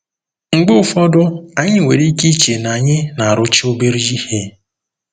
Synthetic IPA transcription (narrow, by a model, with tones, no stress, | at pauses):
ŋ͡m̩˨ɡ͡bʊ˦ʊ˦fɔ˦dʊ˦a˨ɲɪ˦˨we˨ɾi˦ki˦t͡ʃe˨na˨ɲɪ˦na˨a˨ɾʊ˦t͡ʃi˦o˦be˦ɾi˦ji˦he˦